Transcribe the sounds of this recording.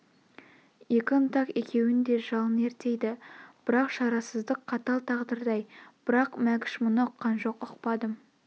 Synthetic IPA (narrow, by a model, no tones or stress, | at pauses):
jekʲɪnt̪ɑkekʲʰe̞wɪnd̪e̞ʒɑlˠəne̞ɾt̪e̞jd̪ɪb̥ɪɾɑqʃɑɾɑsəzd̪əqʰːɑt̪ɑlˠt̪ʰɑʁd̪əɾd̪ɑjb̥ɪɾɑqmækʲɪ̥ʃmʊnəʊqːɑnʒoqʊqpɑd̪əm